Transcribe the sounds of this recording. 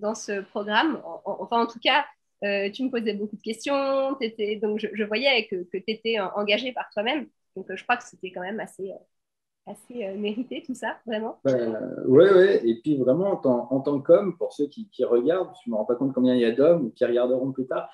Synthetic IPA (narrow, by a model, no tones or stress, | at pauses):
d̪ɑ̃səpχɔɡʁamɑ̰̃ːfɛ̃ɑ̃t̪uka | øt̪yməpozɛbokud̪əkʲɛst̪jɔ̃t̪yet̪ɛd̪ɔ̃kʒəʒəvwajɛkəkət̪yet̪ɛəʔɑ̃ɡaʒepaʁt̪wamɛm | d̪̥ɔ̃kʒəkχwakə̥set̪ɛkɑ̃mɛmaseø | aseømeʁit̪et̪usavʁɛmɑ̃bɛ̰wɛwɛepɥivʁɛmɑ̃ːt̪ɑ̃ɑ̃t̪ɑ̃kɔmpuʁsøkʲikʲiʁəɡaʁd̪̚t̪yməʁɑ̃pakɔ̃t̪̚kɔ̃bjɛ̃ilad̪ɔmukʲiʁəɡaʁd̪əʁɔ̃plyt̪aːʁ